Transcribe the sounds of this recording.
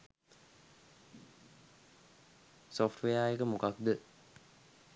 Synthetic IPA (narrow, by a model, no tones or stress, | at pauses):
sofʈʰʋejaːjekəmukak̚d̪ə